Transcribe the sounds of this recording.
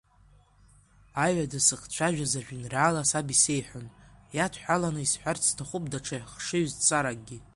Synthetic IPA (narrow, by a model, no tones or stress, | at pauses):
ajadasɨχt͡ɕʷʰaʒᶣazaʒᶣinraːlasabisejħʷᶣʊnjatʰħʷᶣalanɨisħʷᶣarʰtʰaχʷup̚ʼdaʈ͡ʂʰaχʂɨɥzt͡sʼaɾak̚ɡʲi